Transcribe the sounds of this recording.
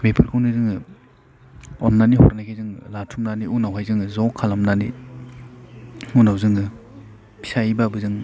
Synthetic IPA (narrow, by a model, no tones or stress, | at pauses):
mipʰɯɾkʰɯwnizɯŋɯ | ɔnːanihɔɾnakʰezɯŋlatʰumnaniunawɦajzɯŋɯzɔkʰalamnanḭ | unawzɯŋɯ | pʰi̥sajbabɯzɯŋ